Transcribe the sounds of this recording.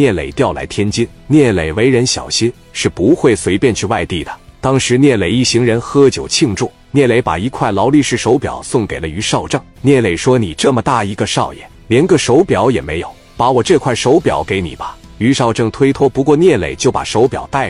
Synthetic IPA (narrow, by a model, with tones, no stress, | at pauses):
njɛ˥˩lḛ˨˩ɪt̪jɑ˥˩ʊla̰˧˥ɪt̪ʰjɛ˥nt͡ɕi˥n | njɛ˥˩le˨˩ɪwe˧˥ɪɻə˧˥nɕjɑ̰˨˩ʊɕi˥n | ʂɻ̩˥˩pu˧˥xwe˥˩ɪswe˧˥ɪpjɛ˥˧nt͡ɕʰy˥˧wa˥˧ɪt̪i˥˩d̪ə˩t̪ɑ˥ŋʂɻ̩˧˥njɛ˥˩le˨˩ɪi˥˩ɕi˧˥ŋɻə˧˥nxɤ˥t͡ɕjo˨˩ʊt͡ɕʰi˥˧ŋʈ͡ʂu˥˩ | njɛ˥˩le˧˥ɪpa̰˨˩i˧˥kʰwa˥˩ɪlɑ˧˥ʊli˥˧ʂɻ̩˥˩ʂo˧˥ʊpjɑ̰˨˩ʊsʊ˥˩ŋke˨˩ɪlə˦y˧˥ʂɑ˥˧ʊʈ͡ʂɤ˥˩ŋnjɛ˥˩le˨˩ɪʂwɔ˥ni˨˩ʈ͡ʂɤ˥˩mə˩t̪a˥˩i˧˥ɡə˧ʂɑ˥˩ʊjɛ̰˨˩ | ljɛ˧˥nɡə˥˧ʂo˧˥ʊpjɑ˧˥ʊjɛ˨˩me˧˥ɪjo˨˩˦ʊ | pa˧˥wɔ˨˩ʈ͡ʂɤ˥˧kʰwa˥˩ɪʂo˧˥ʊpjɑ̰˨˩˦ʊke˧˥ɪni˨˩bɐ˦ | y˧˥ʂɑ˥˧ʊʈ͡ʂɤ˥˩ŋt̪ʰwe˥ɪt̪ʰwɔ˥pu˧˥kwɔ˥˧njɛ˥˩lḛ˨˩ɪt͡ɕjo˥˩ʊpa̰˨˩ʂo˧˥ʊpjɑ̰˨˩ʊt̪a˥˩ɪ